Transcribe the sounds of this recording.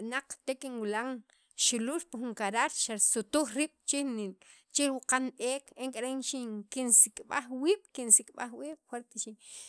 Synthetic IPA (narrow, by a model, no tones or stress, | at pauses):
ɓnaq͡χt̪ekiŋwilaŋ | ʃululpixuŋkaɾaɾʃasut̪uxɾiːɓ̥t͡ʃin | t͡ʃiwuqanɓeːkeŋkʼaɾenʃiŋkinsikʼɓa̰χwiːɓ̥kinsikʼɓa̰xwiːɓ̥xweɾt̪eʃi